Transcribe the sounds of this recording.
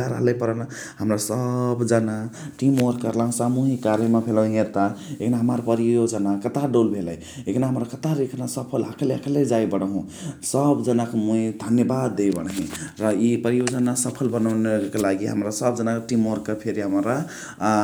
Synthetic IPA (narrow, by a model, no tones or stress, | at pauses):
aɾa̰lepəɾəna | həmɾasəbd͡ʒənaʈimoɾkəɾlaɦũsamuɦikaɾjəmebʱelaɦɦeɾt̪aekʰnaɦəmaɾpəɾijod͡ʒənakət̪aɖolbʱeləj | ekʰnaɦəmɾakət̪aɾekʰnasəpʰəlakʰleəkʰled͡ʒaibəɽ̃aɦũ | səbd͡ʒənakomuid̪ʱənjəbad̪ːejbəɽ̃ɦĩɾʌipəɾijod͡ʒənasəpʰəlbənaʊnekelaɡiɦə̰mɾasəbd͡ʒənaʈimoɾkəpʰeɾiɦəmɾa